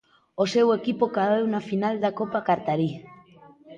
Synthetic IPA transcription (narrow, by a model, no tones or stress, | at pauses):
ose̞we̞kipokaewnafinald̪ako̞pakaɾt̪aɾi